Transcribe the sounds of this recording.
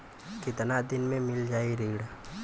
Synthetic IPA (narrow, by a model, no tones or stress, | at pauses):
kɪt̪nad̪ɪnmẽmɪld͡ʒaːiɾiːɽ